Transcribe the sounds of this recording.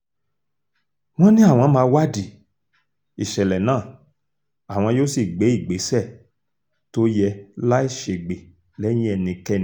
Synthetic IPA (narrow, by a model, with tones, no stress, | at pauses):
w̃ɔ̃˦nĩ˦a˦˨w̃ɔ̃˧˦mãː˧˦wa˦˨di˨ | i˨ʃɛ˨lɛ˨nãː˦˨ | a˨w̃ɔ̃˧jo˦si˨ɡ͡be˨˦i˦˨ɡ͡be˨˦sɛ˦˨ | to˦jɛ˧la˦i˦˨ʃe˨ɡ͡be˨ | lɛ˦jĩ˦ɛ˧nĩ˧kɛ˦ñ˦